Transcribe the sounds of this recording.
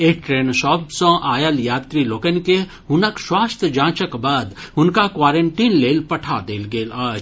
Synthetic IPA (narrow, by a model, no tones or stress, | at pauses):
eːʈɾeːnʃɔːbsɔ̃ʔaːjəljaːt̪ɾiloːkenke | ɦʊnəkʃwaːst̪ʰəd͡ʒãːt͡ʃəkbaːd̪ʊnkakwaːɾə̃ɳʈiːnleːlpɐʈʰad̪eːlɡeːlaːd͡ʒ